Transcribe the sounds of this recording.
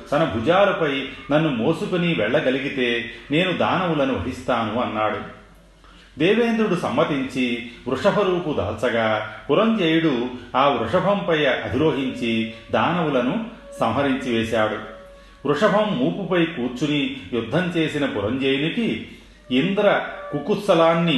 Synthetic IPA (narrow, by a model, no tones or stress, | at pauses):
t̪ɐnɐbʱud͡ʒaːɾupɐjnɐnːumoːsukuniʋɛɭːɐɡɐliɡit̪e̞ːne̞ːnud̪aːnɐwulɐnuʋɐ̰ɦist̪aːnuɐnːaːɽu | d̪eːʋeːnd̪ɾuɽusɐmːɐt̪iɲt͡ʃiʋɾuʂɐbʱɐɾuːpud̪ɐ̰ːlt͡ʃɐɡaːpuɾɐɲd͡ʒeːjɽuaːʋɾuʂɐbʱɐmpɐjɐʔɐb̪ʱiɾo̞ːɦiɲt͡ʃid̪aːnɐwulɐnu | sɐmɦɐɾiɲt͡ʃiʋɛːʃaːɽu | ʋɾuʂɐbʱɐmːuːpupɐjkuːɾt͡ʃunijud̪ʱːɐmt͡ʃe̞ːsinɐpuɾɐɲd͡ʒeːjuniki | ind̪ɐɾɐkukusɐlaːnːi